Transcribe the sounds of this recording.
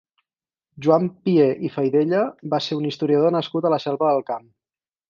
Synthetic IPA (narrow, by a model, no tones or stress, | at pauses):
ʒuampieʔifəjðeʎəβaseunist̪uɾiəð̞onəskut̪ələsɛlˠβəðəlˠkam